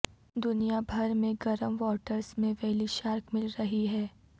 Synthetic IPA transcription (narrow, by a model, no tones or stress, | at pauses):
d̪ʊnijabʱɐɾmẽɡɐɾəmʋɔːʈəɾsmẽʋɛɦliʃaːɾkmɪlɾɐɦiɦɛː